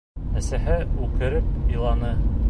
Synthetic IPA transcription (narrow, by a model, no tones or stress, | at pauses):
næsæhɘʉkɘ̆ɾɘp̚ilˠɑnɤ